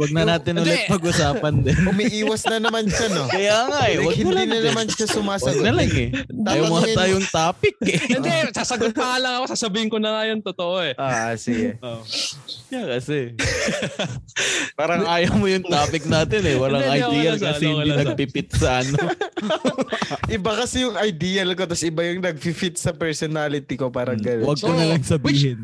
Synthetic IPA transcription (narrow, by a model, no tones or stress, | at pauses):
wɐɡ̚nɐnaːt̪ɪnʔʊlɛtt̪̚pɐɡʔʊsaːpɐnd̪ɪnʊmiʔiːwɐsnɐnɐmanʃɐnokɐjaːŋaʔɛwɐɡhɪnɐd̪linɐnɐmanʃɐsʊmaːswɐɡnɐlaŋɛaːjɐwmoŋat̪aːjoŋt̪aːpɪk̚ɛɛsasɐɡʊt̪nɐŋalɐŋɐkosaːsɐbiːhɪŋkonɐŋajo̞nt̪ot̪oʔoɛʔasɪɡeo | jakɐsɛ | paːɾɐŋʔaːjɐwmojʊŋt̪aːpɪk̚naːt̪ɛnɛwɐlaŋɐjd̪iːjɐlkɐsɛhɪ̃nd̪inɐɡ̚pɪpɪt̪̚sɐʔɐno | ʔɪbakɐsɛjʊŋɐjd̪iːɐlko̞t̪ɐsɪbajʊŋnɐɡ̚fifit̪̚sɐpɛɾsonaːlɪt̪iko̞paːɾɐŋɡɐnwɐɡkonɐlɐŋsɐbwɪiːhɪn